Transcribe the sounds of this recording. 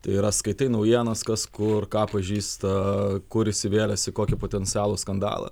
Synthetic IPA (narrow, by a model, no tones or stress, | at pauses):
t̪ɐɪɪɾɐskɐɪt̪ɐɪnɐʊjiɛnɐskɐskʊrkɑːpɐʒʲiːst̪ɐkʊɾɪʃʲsʲɪʋʲeːlʲɛsʲɪkoːkʲɪpoːt̪ʲɛnʲt̪t͡s̪ʲɪɑːlˠoːskɐnd̪ɑ̰ːlˠɐ̰